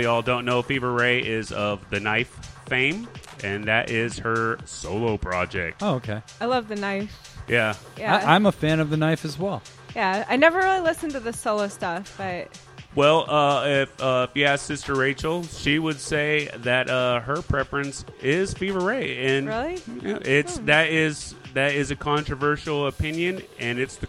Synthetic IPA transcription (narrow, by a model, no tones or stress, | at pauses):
iɔlˠdõʊ̃nːoʊfivə˞ɹeɪʔɪzʌvðɨnaɪfːẽɪ̃m | ʔɨ̃nðɨɾʔɪz̥hə˞soʊlˠoʊpʰɹ̥ɑd͡ʒɛ̰k̚toʊoʊkʰeɪaɪlʌvðɨnaɪf | jæ | jæãɪ̃məfæ̃nʌvðɨnaɪfɨzwɛlˠ | jæaɪnɛvə˞ɹɪlˠilɪsntɨðɨsoʊlˠoʊstʌfb̥ʌt̚ | wɛlˠʌɪfʌfjæsɪstə˞ɹeɪt͡ʃl̩ˠʃiwəd̥seɪðɨt̚ʌɦə˞pʰɹ̥ɛfɹɨ̃nsɪz̥fivə˞eɪɨ̃nɹɪlˠiʔɪtsðɨɾɪzðɨɾɪzɨkʰɑ̃nt͡ʃɹ̥ɨvɜ˞ʃl̩ˠəpʰɪ̃njɨ̃nɨ̃nɨtsðɨ